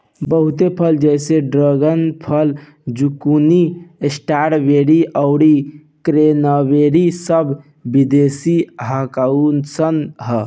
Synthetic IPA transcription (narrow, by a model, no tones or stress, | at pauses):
bəɦut̪epʰəld͡ʒɛseɖɾəɡənpʰəl | d͡ʒukuniesʈaɾbeɾiʔəʊɽi | kɾenəʋeɾisəb | bid̪esiɦəkaunsənɦə